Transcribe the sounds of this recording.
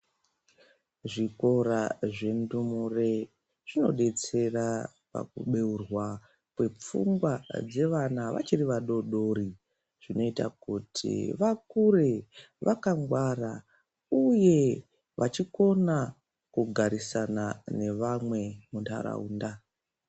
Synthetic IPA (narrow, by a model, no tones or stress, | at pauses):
ʐiko̞ɾaʐe̞ndumure̞ | ʐ̥ino̞̰ɗe̞t͡se̞ra | pa̰kuɓe̞urwa | pwe̞p͡fṵŋɡwad͡ze̞ʋanaʋa̰t͡ʃiriʋaɗo̞ɗo̞ɾi | ʐ̥ino̞ita̰kutʰḭʋakure | ʋʔakaŋɡwara | uje̞ | ʋʔat͡ʃiko̞na | kuɡʱaɾisanane̞ʋamwe̞muntʰa̰ɾa̰uːnda